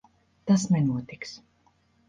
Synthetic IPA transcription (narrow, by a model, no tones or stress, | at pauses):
t̪asmʲɛnuɔt̪iks